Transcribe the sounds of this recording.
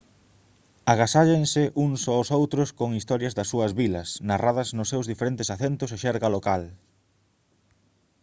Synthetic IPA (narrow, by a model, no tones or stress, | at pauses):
aɣasaʎeŋsɪʔuŋsoʊsowt̪ɾʊskoŋist̪ɔɾjɐzðɐsːuɐzβilɐsnaraðɐznʊsːewzðifeɾent̪ɪsaθent̪ʊseʃɛɾɣɐlokal